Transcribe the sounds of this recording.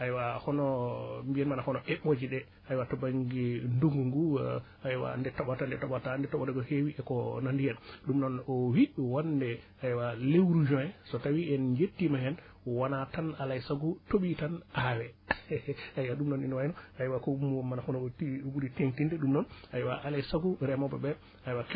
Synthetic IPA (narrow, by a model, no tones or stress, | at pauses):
ʔajwahɔnɔmbiɛnmanahɔnɔʔɛɓod͡ʒiɗɛ | ajwatɔbaŋɡɛndoŋɡuŋɡu | ajwa̰ndɛtɔɓatandɛtɔɓatandɛtɔɓadɔɡɔhewiʔɛkɔnandijɛnɗumnɔnɔwiwandɛ | ajwalewɾud͡ʒɔɛsɔtawiɛnd͡ʒetːimahɛn | wanatanalajsaɡutoɓitanʔawɛ | ajwaɗumnɔninwajnɔajwakɔumuwɔmanafunɔtiɓuɾiteŋtindɛɗumnɔnajwaʔalajsaɡuɾɛmɔbɛbɛ | ajwak